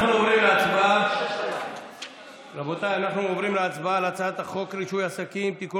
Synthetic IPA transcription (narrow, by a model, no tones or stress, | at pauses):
nuovɾimleat͡sba | labot̪ajanaχnuovɾimleat͡sbalat͡sat̪aχokɾiʃujasakimt̪iku